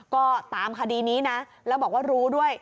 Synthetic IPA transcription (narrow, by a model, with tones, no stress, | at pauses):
kɔː˥˩t̪aː˨˩˦mkʰaː˧diː˧niː˦˥na˦˥ | lɛː˦˥wbɔː˨˩k̚waː˥˩ɾuː˦˥du˥˩əj